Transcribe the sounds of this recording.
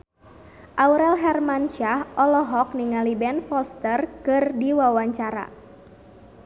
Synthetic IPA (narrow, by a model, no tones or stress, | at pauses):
ʔawɾɛlɦɛrmanʃahʔɔlɔɦɔk̚niŋalibɛnfɔst̪ərkɨrdiwawaɲt͡ʃaɾa̰